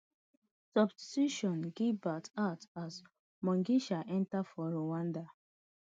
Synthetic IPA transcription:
sɔbssiʃɔ̃nɡivbatatas | mɔ̃ŋɡiʃaʔɛ̃ntafɔɾowãnda

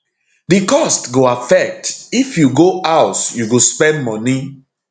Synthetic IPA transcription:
dikɔstɡoafɛk̚tifjuɡoaʊsjuɡospɛ̃ndmɔni

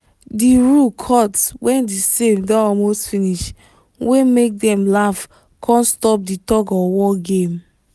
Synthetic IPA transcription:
diɹukʰɔtswɛ̃ndisemdɔɔlmostfĩniʃ | wemek̚dɛ̃mlaf | kʰɔ̃nstɔp̚ditɔɡɔwɔɡẽm

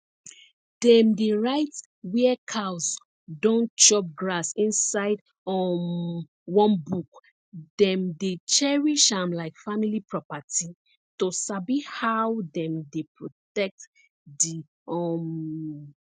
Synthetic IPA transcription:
dɛ̃mdeɹaɪt | wɛɛkʰas | dɔ̃nt͡ʃɔp̚ɡɹasĩnsaɪd | ɔm | wɔ̃nbuk | dɛ̃mdet͡ʃɛɹiʃãmlaɪkfamilipɹɔpati | tosabihawdɛ̃mdepʰɹotɛk̚t | di | ɔm

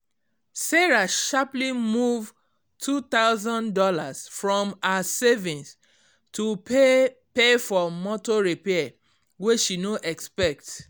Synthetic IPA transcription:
sɛɹaʃaplimuv | tʰut̪aʊzɔ̃ndɔlasfɹɔ̃masevĩns | tue | pefɔmɔtoɹepɛa | weʃinoʔɛkspɛk̚t

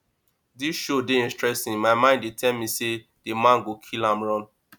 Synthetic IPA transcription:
disʃodeĩnstɹɛsĩŋmaɪmãɪ̃ndetʰɛlmĩse | d̥emãnɡokʰilãmɹɔ̃n

